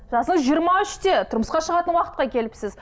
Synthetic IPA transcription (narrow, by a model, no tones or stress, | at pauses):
ʒɑsəɴəzʒijəɾmɑʏʃt̪e̞t̪ʰʊɾməsqɑʃəʁɑt̪ənwɑqət̪̚qɑkʲʰe̞lɪpsɪz